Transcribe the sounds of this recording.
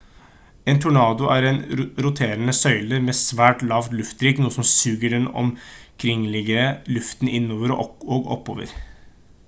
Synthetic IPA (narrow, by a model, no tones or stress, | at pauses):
eːnt̪ʰʊɳɑːd̪ʊʔæɾɛnɾʊt̪ʰeːɾənəsœʏləɾmɛːsʋæːʈlɑʋt̪lʉft̪ɾiːknuːəsɔmsʉːɡəɖɛnɔ̰mkʰɾɪŋːlɪɡəɾəlʉft̪nɪnːoːʋəɾoːɡɔ̰pːo̰ːʋə̰ɾ